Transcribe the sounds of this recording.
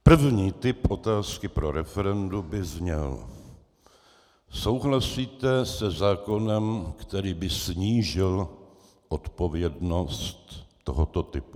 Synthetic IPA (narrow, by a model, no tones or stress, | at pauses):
pr̩vɲiːt̪ɪpʔo̞t̪aːskɪpɾo̞ɾɛfɛɾɛndubɪzɲɛl | so̞wɦlasiːt̪ɛsɛzaːko̞nɛmkt̪ɛɾiːbɪsɲiːʒɪl | ʔot̪po̞vjɛdno̞st̪ː | o̞ɦot̪o̞t̪ɪpu̥